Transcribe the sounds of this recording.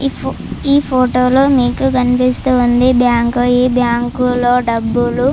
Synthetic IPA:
iːpʰoːʈoːloːmiːkukɐnipist̪uːnd̪ibjaːŋkoiːbjaːŋkuloːɖɐbːulu

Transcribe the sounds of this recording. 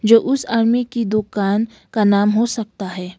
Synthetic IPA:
d͡ʒoːʔʊsaːɾmikid̪ʊkaːn | kanaːmɦosɐk̚t̪aɦɛː

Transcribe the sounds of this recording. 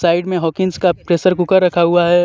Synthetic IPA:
saːɪɖmẽɦɔːkɪŋskapɾeːsəɾkʊkəɾːɐkʰaɦuaɦɛ

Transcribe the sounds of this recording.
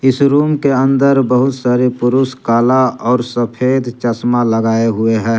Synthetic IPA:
ɪsɾuːmkeə̃nd̪əɾbəɦʊt̪saːɾepʊɾʊskaːlaɔːɾsəpʰeːd̪t͡ʃəsmaləɡaːeɦʊeɦɛ̃ː

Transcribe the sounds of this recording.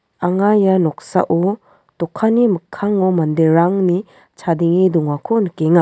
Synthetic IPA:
aŋajanɔksa̰ʔu | tɔkʰːanimɯkʰːaŋɔmandeɾaŋni | t͡ʃʰadiŋidɔŋakʰɔnkeŋa

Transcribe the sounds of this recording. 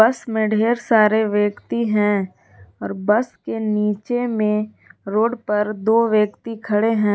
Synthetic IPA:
bɐsmẽɖʱeːɾsaːɾeʋjekt̪iɦɛ̃ | ɔːɾbəskeniːt͡ʃemẽ | ɾoːɖpɐɾd̪oːʋjəkt̪ikʰɐɽeɦɛ̃ː

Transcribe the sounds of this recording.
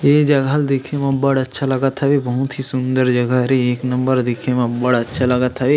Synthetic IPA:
eːd͡ʒɐɡʱald̪ɪkʰemãbəɽətːʃʰalɐɡət̪ʰɐʋebɐɦʊt̪ɦisʊ̃nd̪əɾd͡ʒɐɡəɾieːknɐ̃mbəɾd̪ɪkʰemãbɐɽɐtːʃʰalɐɡət̪ʰɐʋe

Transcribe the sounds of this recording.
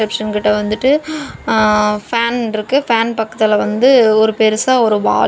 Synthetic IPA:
ɛpʂɐnkɪʈːɐʋɐnd̪ɯʈːɯ | faːnɪɾɯkːɯfaːnpɐkːɐt̪ːɪlʋɐnd̪ɯɔɾɯpeɾɯsaːɔɾɯʋa̰ː

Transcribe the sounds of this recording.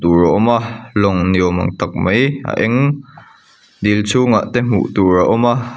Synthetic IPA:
t̪uɹɔʔɔmalɔŋniəwmɐ̰ŋt̪ɐk̚mɐja̰ʔɛŋ | d̪ilt͡sʰuŋaʔt̪ɛm̥ṵʔt̪uɾaʔɔma

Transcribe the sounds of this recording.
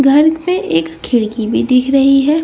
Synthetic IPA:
ɡʱɐɾmẽʔeːkkʰːɪɽkibʱid̪ɪkʰɾɐɦiɦɛː

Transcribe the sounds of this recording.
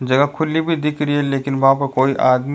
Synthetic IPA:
d͡ʒɐɡəkʰʊlibʱid̪ɪkʰɾiɛleːkɪnʋɐɦãpɐɾkoːiʔaːd̪m

